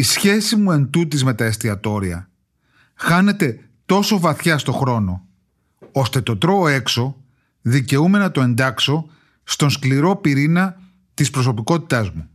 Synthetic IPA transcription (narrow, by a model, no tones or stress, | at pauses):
isçe̞simue̞nt̪ut̪izme̞t̪ɐest̪iɐt̪o̞ɾiɐ | xɐne̞t̪e̞ | t̪o̞so̞vɐθçɐst̪o̞xɾo̞no̞ | o̞st̪e̞t̪o̞t̪ɾo̞ːe̞kso̞ | ðice̞ume̞nɐt̪o̞e̞nd̪ɐkso̞ | st̪o̞nskliɾo̞piɾinɐ | t̪ispɾo̞so̞piko̞t̪i̥t̪ɐzmu